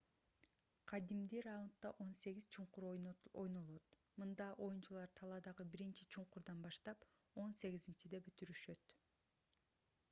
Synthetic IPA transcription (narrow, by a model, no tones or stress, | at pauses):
qʰɑd̪imd̪iɾaunt̪ːɑʔo̞nse̞ɡʲiz̥t͡ʃʰuɴquɾoo̰jno̞lˠot̪̚ | mɯnd̪ɑʔo̞junt͡ʃulˠɑɾt̪ʰɑlˠɑd̪ɑʁɯbiɾint͡ʃit͡ʃʰuɴquɾd̪ɑnbɑʃt̪ɑp | o̞nse̞ɡizint͡ʃid̪e̞bøt̪yɾyʃø̞t̪